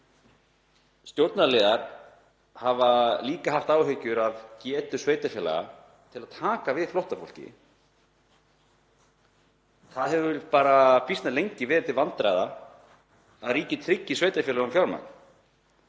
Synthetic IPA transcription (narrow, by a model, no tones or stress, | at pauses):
st̪jowɾt̪naleːðaɾ̥ | havaliːkahaft̪aːwɦʏɥcʏɾaðcɛːt̪ʏsveːjt̪afjɛːla̰ɣa̰ | t̪ʰɪlaðt̪ʰaːkavɪðflɔwht̪afo̰wl̥cɪ̰ | θaðɦɛvʏpaːɾafist̪nalejɲcɪvɛːðɾɪt̪ʰɪlvant̪ɾajða | aðɾiːcɪt̪ʰɾɪcːɪsveːjt̪aɾfɛːlaɣʏmfjawɾma̰n